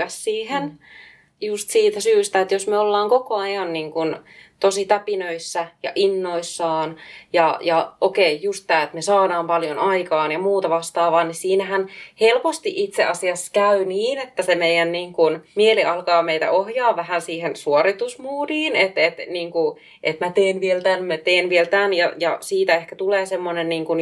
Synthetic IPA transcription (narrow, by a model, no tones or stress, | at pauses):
æssiːhen | just̪siːt̪æsyːst̪æet̪josmeolːɑːŋkokoɑjɑnniːŋkunt̪osit̪æpinøisːæjɑ̰ʔinːoisːɑːnjɑjɑʔokeijust̪t̪æːet̪mesɑːdɑːmpɑljonɑikɑːnjɑmuːt̪ɑʋɑst̪ɑːʋɑːnnisiːnæhænhelpost̪iʔʔit̪seɑsiɑsːkæyniːnet̪ːæsemeijænniːŋkunmieliʔɑlkɑːmeit̪æ̰ʔohjɑːʋʋæhænsiːhensuorit̪usmuːdiːnet̪et̪niːŋku | ʔet̪mæt̪eːnʋielt̪ænmet̪eːnʋielt̪ænjɑjɑsiːt̪æehkæt̪uleːsemːonenniːŋkun